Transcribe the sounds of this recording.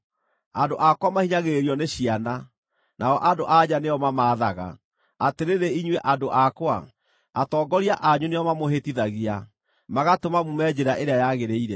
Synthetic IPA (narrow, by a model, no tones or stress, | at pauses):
andoʔakwamahiɲaɣeeɾiɔneɕiana | naɔʔadoʔaɲaneɔmamaːðaɣa̰ | ateɾeɾeiɲweʔandoʔakwa | atɔːɡɔɾiaʔaɲunejɔmamohetiðaɣia | maɣatomamumɛd͡ʑeɾaʔeɾeajaɣeɾeiɾɛ